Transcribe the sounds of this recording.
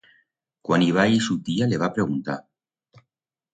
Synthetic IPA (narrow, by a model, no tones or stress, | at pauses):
kwaniβ̞aisut̪ialeβ̞apɾeɣ̞unt̪a̰